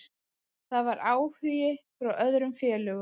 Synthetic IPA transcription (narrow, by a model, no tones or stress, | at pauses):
θaðvaɾaːwhʏjɪfɾawʔœðɾʏmfjɛːlœɣʏ